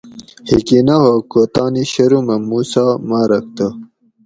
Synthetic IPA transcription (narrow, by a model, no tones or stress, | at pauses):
hikinɐhokot̪aːniɕɐɾumɐmuːsamaːɾɐk̚t̪ɐ